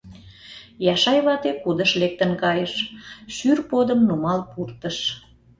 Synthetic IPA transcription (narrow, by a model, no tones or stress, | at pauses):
jɑʃɑjβɑt̪ekud̪əʃlek̚t̪ənkɑjəʃʃyrpod̪əmnumɑlpurt̪əʃ